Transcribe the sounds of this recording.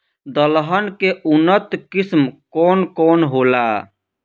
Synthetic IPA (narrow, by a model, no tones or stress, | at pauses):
d̪əlɦənkeʔunːət̪kismkɔnkoːnɦola